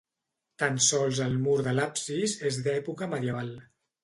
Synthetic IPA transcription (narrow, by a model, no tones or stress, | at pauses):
t̪ansɔlˠzəlˠmuɾðəlapsizezðɛpukəməðjəβalˠ